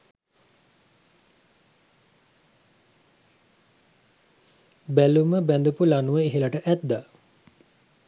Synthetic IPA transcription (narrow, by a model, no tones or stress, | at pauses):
bæluməbænd̪upulanuʋəeɦelaʈəʔæt̪̚d̪a